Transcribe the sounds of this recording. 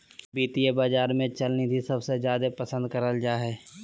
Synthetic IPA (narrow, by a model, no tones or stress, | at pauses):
biːt̪ijebaːd͡ʒaːɾmẽt͡ʃɐlnid̪ʱisɐbsezjaːd̪epɐsə̃nd̪̚kɐɾəld͡ʒaːɦɛː